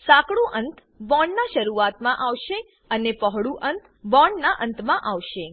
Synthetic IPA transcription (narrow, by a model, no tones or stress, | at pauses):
sakɽũʔənt̪ | bɔɳnaʃəɾuat̪mãʔaʋʃe | ənepəɦɽuʔənt̪ | bɔɳɖnaʔənt̪mãʔaʋʃe